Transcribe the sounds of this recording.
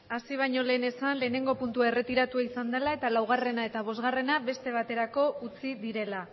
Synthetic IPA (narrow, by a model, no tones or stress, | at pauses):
asiβ̞aɲo̞le̞ːne̞sanle̞ːne̞ŋɡo̞punt̪uaere̞t̪iɾat̪uaisand̪e̞lae̞t̪alawɣ̞are̞nae̞t̪aβ̞o̞zɣare̞naβe̞st̪e̞β̞at̪e̞ɾako̞ʔut͡siðiɾe̞la